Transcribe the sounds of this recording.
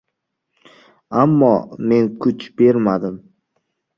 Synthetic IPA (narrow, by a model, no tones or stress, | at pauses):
amːɒ̰me̞nkʰʊt͡ʃb̥e̞ɾmad̪ɪm